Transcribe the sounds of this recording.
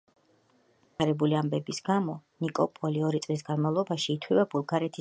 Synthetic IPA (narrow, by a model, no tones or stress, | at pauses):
aɾɛbuliambɛbisɡamɔnikʼɔpʼɔliɔɾit̪sʼlis̬ɡanmavlˠɔbaʃiːt̪ʰwivabulˠɡaɾɛt̪ʰi